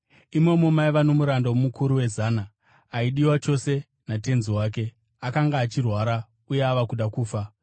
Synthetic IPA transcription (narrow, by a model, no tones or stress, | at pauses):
imo̞momaiʋano̞muɾandawomukʰuɾuwe̞zanaː | iɗiwat͡ʃo̞se̞ | nate̞nziwaːk̬e̞ | akaŋɡaːt͡ʃirwaɾa | uje̞aʋakuɗakuːfa